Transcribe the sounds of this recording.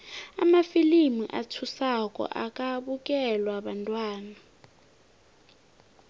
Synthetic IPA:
a̰mafilimiʔa̰tʰusakʼɔ̰ʔakʼaɓuk̬ʼɛlwaɓantʼwaːna

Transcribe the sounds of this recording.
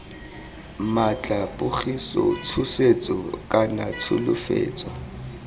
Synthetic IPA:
mat͡ɬʼapʼʊχisɔ̰t͡sʰʊset͡sʼɔkʼanat͡sʰʊlʊfḛːt͡sʼɔ

